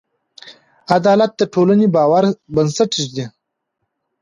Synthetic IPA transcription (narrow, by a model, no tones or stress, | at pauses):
ad̪ɑːlat̪̚d̪əʈʰoːlənebɑːwaɾbɐnsɐʈiʒd̪i